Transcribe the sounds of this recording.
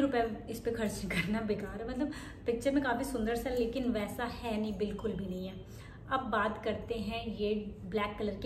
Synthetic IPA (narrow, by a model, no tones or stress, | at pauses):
ɾʊpɛɪspexʰɐɾt͡ʃkɐɾnabɪkaːɾɦɛmɐt̪ləb | pɪkʃəɾmẽkaːfisʊ̃nd̪əɾsaɛleːkɪnʋɛːsahɛnɐɦĩbɪlkʊlbʱinɐɦĩɦɛː | ɐbːaːt̪kɐɾt̪eɦɛ̃jeːblɛːkːɐləɾke